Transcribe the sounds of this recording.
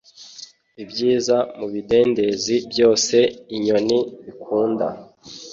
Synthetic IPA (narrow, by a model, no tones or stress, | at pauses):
ibɟiːzamuβide̞ːnde̞zibjo̞ːse̞iɲo̞niβikʰuːnda̰